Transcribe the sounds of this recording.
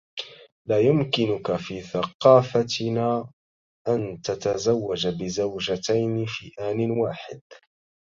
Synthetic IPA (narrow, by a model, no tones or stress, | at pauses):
laːjʊmkɪnʊkafiːθɑqɑːfat̪ɪnaː | ʔant̪at̪azawːad͡ʒbɪzawd͡ʒat̪ajnɪfiːʔaːnɪnwaːħɪd̪̥̚